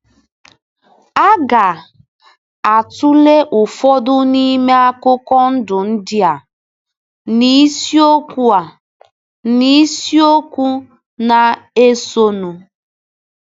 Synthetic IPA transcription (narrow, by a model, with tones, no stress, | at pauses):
a˦ɡa˨ | a˨tu˦le˦ʔʊ˨fɔ˦dʊ˦ni˦me˦a˦kʊ˦kɔ˦n̩˦dʊ˨n̩˦dɪ˦a˨ | ni˦si˦o˦ku˦a˨ | ni˦si˦o˦kʷu˦ | na˨e˦so˦nu˨